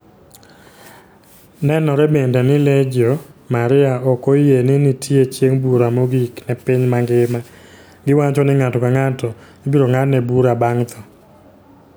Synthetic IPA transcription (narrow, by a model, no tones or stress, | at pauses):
nɛnɔɾɛbendɛnɪled͡ʒomaɾɪaɔkojenɪnɪtʰjet͡ʃjeŋbuɾamoɡiknɛpɪɲmaŋɡɪma | ɡɪwat͡ʃɔnɪŋatɔkaŋatɔɡɪbiɾoŋatnɛbuɾabaŋt̪ʰɔ